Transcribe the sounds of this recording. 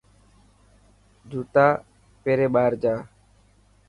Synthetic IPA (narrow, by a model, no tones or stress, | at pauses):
d͡ʒʱuːt̪aː | peːɾeːɓaːɾd͡ʒaː